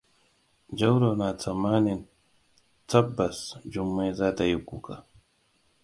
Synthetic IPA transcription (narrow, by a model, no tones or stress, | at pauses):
d͡ʒawɾonat͡samanɪn | t͡sabasd͡ʒʊmːezat̪ajʊkuka